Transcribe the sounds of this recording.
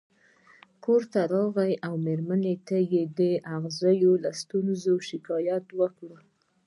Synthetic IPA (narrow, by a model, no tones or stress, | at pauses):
koɾt̪aɾɑɣajʔawmeɾmanet̪ajed̪əʔaɣzəjolast̪unzoʃɪkɑjat̪wəkɽə